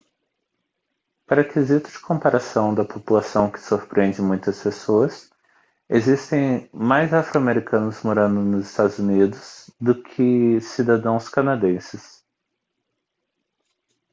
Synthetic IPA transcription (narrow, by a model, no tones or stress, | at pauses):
paɾɐkezit̪ʊd͡ʒɪ̥kʰõpaɾasɐ̃w̃d̪ɐpopulasɐ̃w̃kɪ̥soɾpɾẽnd͡ʒɪmũj̃t̪ɐspesoɐs | ezist̪ẽj̃majzafɾoameɾikɐ̃nʊzmoɾɐ̃nd̪ʊnʊzɪst̪ad̪ʊzunid̪ʊzd̪ʊkʰɪsid̪ad̪ɐ̃w̃skanad̪ẽsɪs